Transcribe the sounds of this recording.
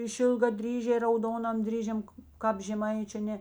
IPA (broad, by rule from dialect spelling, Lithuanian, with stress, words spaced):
ɪʃʲɪlˠɡɐˈdʲrʲiːʒʲɛɪ rɐʊˈdoːnɐm ˈdʲrʲiːʒʲɛm ˈkɑːp ʒʲɛˈmɐɪt͡ʃʲʊ ɐ ˈnʲɛ